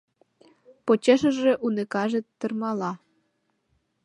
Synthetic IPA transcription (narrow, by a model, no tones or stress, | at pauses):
pot͡ɕeʃə̆ʒĕʔunekɑʒĕt̪ːə̆rmɑlɑ